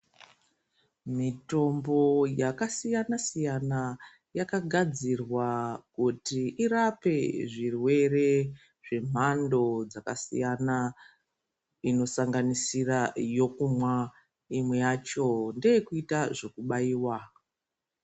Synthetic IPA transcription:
mito̞mbo̞jakasijanasijana | jakaɡʱad͡zirwakutiʔiɾape̞ʐirwe̞re̞ | ʐe̞m̤ando̞d͡zakasḭjana | ino̞saŋɡanisirajo̞kumwa | imwe̞jat͡ʃo̞nde̞jekuitaʐo̞kuɓaiːwa

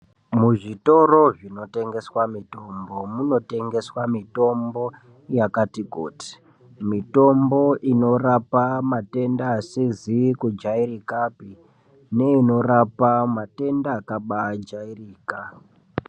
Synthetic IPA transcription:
muʐito̞ɾo̞ʐino̞te̞ŋɡe̞swamito̞mbo̞muno̞te̞ŋɡe̞swamito̞mbo̞ | jakatiko̰ːti̥ | mito̞mbo̞ʔino̞rapamate̞ndaːsizikud͡ʒairikapi | ne̞ino̞rapamate̞ndaːkaɓad͡ʒairiːka

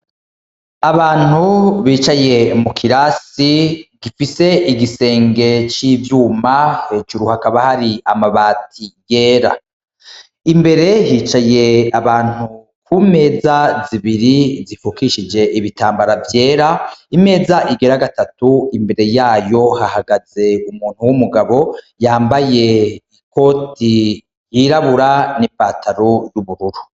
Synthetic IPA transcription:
aβaːn̥huβiːt͡ʃaje̞mukʰiɾasiɡifise̞ʔiɡise̞ːŋɡe̞t͡ʃiːvjuːmahed͡ʒuɾuhakaβahaɾiamaβaːtʰiɡ̥e̞ːɾa̰ | imbe̞ɾe̞hiːt͡ʃaje̞aβaːn̥u | kʰume̞ːzaziβiɾizifukiʃid͡ʒe̞ʔiβitaːmbaɾavje̞ːɾaime̞ːzaʔiɡe̞ɾaɡatatuimbe̞ɾe̞jaːjo̞hahaɡaz̥e̞umuːn̥huwumuɡaβo̞ | jaːmbaje̞iko̞ti | jiɾaβuɾanipaːtʰaɾojuβuɾuɾu

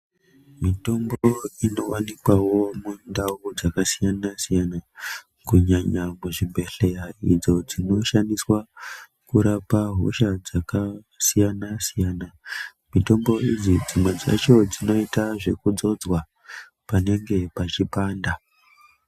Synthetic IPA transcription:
mito̞mbo̞ino̞wanikwawo̞mundaud͡zakasijanasijana | kuɲaɲamuʐimbe̞ɬe̞jaḭd͡zo̞d͡zino̞ʃandiswa | kuɾapaɦo̞̰ʃad͡zaka | sijanasijana | mito̞mbo̞id͡zid͡zimwed͡za̰t͡ʃo̞d͡zino̞itaʐe̞kud͡zo̞d͡zwa | pane̞ŋɡe̞pat͡ʃipaːnda

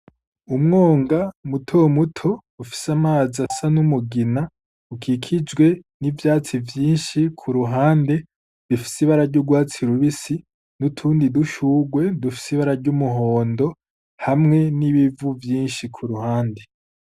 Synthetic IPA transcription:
umŋoːŋɡamutʰomutʰo̞ | ufi̥samaːzasanumuɡina | ukʰikʰid͡ʒɡwe̞nivjaːt͡sivjiːnʃikʰuɾuɦaːnde̞ | βifi̥siβaɾaɾɟuɡwaːt͡siɾuβisi | nutʰuːndiduʃuɡwe̞dufi̥siβaɾaɾɟumuɦoːndo̞ | hamŋe̞niβivuvjiːnʃikʰuɾuhaːnde̞

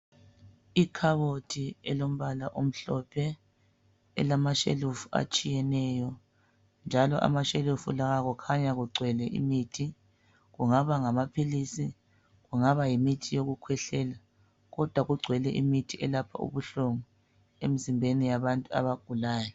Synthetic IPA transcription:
ikʰaβotʰiɛlom̩βalaʔom̩ɬɔpʰɛ | ɛ̰lamaʃḛlufua̰t͡ʃʼijɛnɛjɔ | nd͡ʒʱalɔʔa̰maʃelufulaɣaɣɔkʰaɲaɣuɡ͡ǀʱwɛlɛʔḭmitʰi | ɣuŋaβaŋamapʰilisi | ɣuŋaβajimitʰijoɣukʰwɛɬɛːla | ɣɔd̥ʱwaɣuɡ͡ǀʱwɛlɛʔimitʰiʔɛlapʰa̰ṵβuɬoŋɔ | emizimbʱenijaβantʼua̰βaɡ̥ʱulaːjɔ

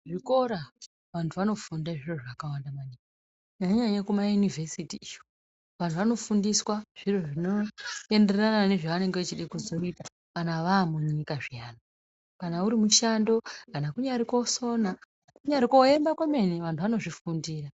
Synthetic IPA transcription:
ʐiko̞ɾa | ʋantʰuʋano̞fundaʐiroʐakawandamaɲika | ɲaɲaɲakumajunive̞sitiijo | ʋantʰuʋano̞fundiswaʐ̥iroʐino̞e̞nde̞ranane̞ʐaʋane̞ŋɡeet͡ʃiɗekuzo̞ipa | kanaʋaːmuɲikaʐijaːno | kanauɾimuʃando̞kanakuɲaɾiko̞so̞na | kuɲaɾiko̞embakwame̞neʋantʰuʋano̞ʐifundiːra

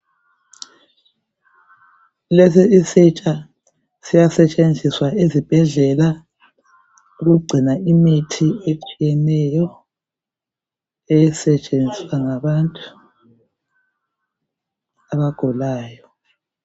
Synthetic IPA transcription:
lesiisit͡ʃʼa | sijasɛt͡ʃʼend͡zʱiswaezib̥ʱɛɮɛla | uɣuɡ͡ǀʱinaʔimitʰiet͡ʃʼijɛnɛjɔ | ejisɛt͡ʃʼend͡zʱiswaŋaβantʼu̥ | aβaɡ̥ʱɔlaːjɔ

